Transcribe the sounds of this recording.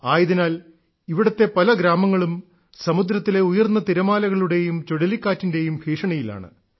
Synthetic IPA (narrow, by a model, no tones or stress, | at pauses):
aːjɐðinaːl | iʋiɽɐt̪ːe̞pɐlɐɡɾaːmɐŋːɐɭum | sɐmud̪ɾɐt̪ːile̞ujɐrnːɐt̪iɾɐmaːlɐɣɐɭuɽe̞jumt͡ɕoɽɐlikːaːtːinde̞jumbʱiːʂɐɳɐjila̰ːɳɨ̰